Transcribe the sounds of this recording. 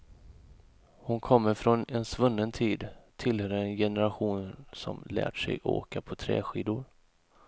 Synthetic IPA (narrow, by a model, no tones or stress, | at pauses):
hʊnkʰɔmːəɾfɾɔnɛnsvɵnːənt̪ʰiːd̪t̪ʰɪlhœːɾəɛnjɛnəɾaɧuːnsɔ̰mlæ̰ːʈʂɛ̰jʔo̰ːkapʰɔt̪ʰɾɛ̰ːɧiːd̪ʊɾ